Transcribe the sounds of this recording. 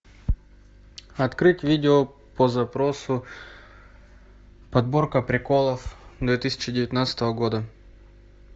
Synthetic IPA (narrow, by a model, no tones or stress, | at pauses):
ɐt̪kɾɨtʲvʲidʲɪo | pəzɐpɾosʊ | pɐd̪̚borkəpɾʲɪkolˠəfd̪vʲet̪ɨsʲɪ̥t͡ɕɪdʲɪvʲɪt̪nat̪sə̥t̪əvəɡod̪ə